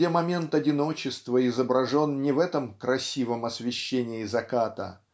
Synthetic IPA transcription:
emɐmʲe̞nt̪ɐdʲɪno̞t͡ɕɪst̪vəɪzəbɾɐʐo̞nnʲɪvɛt̪əmkɾɐsʲivəmɐsvʲɪɕːenʲɪɪzɐkat̪ə̰

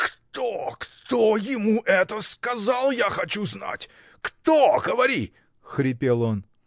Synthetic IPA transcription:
kt̪okt̪ojɪmuʔɛt̪əskɐzalˠjaxɐt͡ɕuzna̰tʲ | kt̪oɡəvɐɾʲi | xɾʲɪpʲelˠon

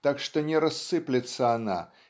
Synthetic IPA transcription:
t̪akʂt̪ɔnʲɛɾasːɨplʲɛt̪sːɐana̰

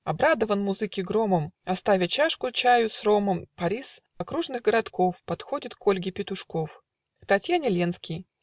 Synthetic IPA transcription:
ɐbɾad̪əvənmʊzɨkʲɪɡɾoməmɐst̪avʲɪt͡ɕaʂkʊt͡ɕæjʊsro̞məmpɐɾʲis | ɐkɾuʐnɨɣɡəɾɐt̪ko̞fpɐt̪xodʲɪt̪ko̞lʲɡʲɪpʲɪt̪ʊʂkof | kt̪ɐtʲjanʲɪlʲenskʲɪj

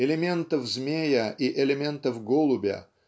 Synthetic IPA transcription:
ɪlʲɪmʲe̞nt̪əfzmʲejəʔiʔɪlʲɪmʲe̞nt̪əfɡolˠʊbʲə̰

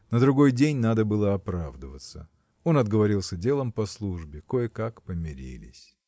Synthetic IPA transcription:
nəd̪ɾʊɡo̞jdʲenʲnad̪əbɨlˠəɐpɾavd̪əvət̪sə̰ | o̞nɐd̪ɡəvɐɾʲilˠsʲədʲe̞lˠəmpɐslˠuʐbʲɪko̞jɪkakpəmʲɪɾʲḭlʲɪ̰sʲ

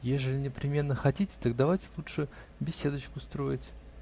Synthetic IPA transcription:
jeʐəlʲɪnʲɪpɾʲɪmʲe̞nːəxɐtʲitʲɪ̥t̪aɡ̚d̪ɐvajtʲɪ̥lˠutʂɨ | bʲɪsʲe̞d̪ət͡ɕkʊst̪ɾo̞jɪtʲ

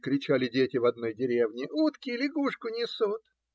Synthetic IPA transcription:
kɾʲɪt͡ɕælʲɪdʲetʲɪvɐd̪no̞jdʲɪɾʲevnʲɪut̪kʲɪlʲɪɡuʂkʊnʲɪsut̪

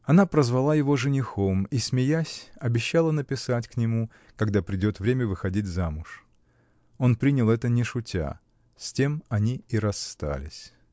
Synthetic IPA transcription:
ɐnapɾəzvɐlˠajɪvo̞ʐɨnʲɪxo̞mismʲɪjasʲɐbʲɪɕːalˠənəpʲɪsatʲknʲɪmu | kɐɡd̪apɾʲɪdʲo̞t̪vɾʲemʲəvɨxɐdʲitʲzamʊʂ | o̞npɾʲinʲɪlˠɛt̪ənʲɪʂʊtʲʰa̰ | sʲtʲemɐnʲiiɾɐst̪a̰lʲɪ̰sʲ

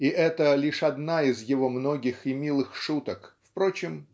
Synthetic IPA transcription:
iʔɛt̪əlʲiʂɐd̪naɪzjɪvo̞mno̞ɡʲɪxɪmʲilˠɨxʂut̪əkfpɾo̞t͡ɕɪm

